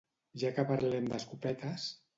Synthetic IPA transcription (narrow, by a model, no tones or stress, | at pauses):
ʒakəpaɾlɛmd̪əskupɛt̪əs